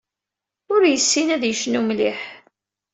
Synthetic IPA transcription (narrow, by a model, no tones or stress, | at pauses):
ʊɾjəsːinæðjəʃnumliħ